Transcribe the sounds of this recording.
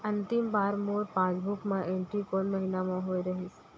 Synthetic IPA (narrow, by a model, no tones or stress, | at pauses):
ɐ̃nt̪ɪmbaːɾmoːɾpãːd͡ʒbʱukmãʔẽːɳʈɾikɔːnməɦinamãɦoːjɾɐɦis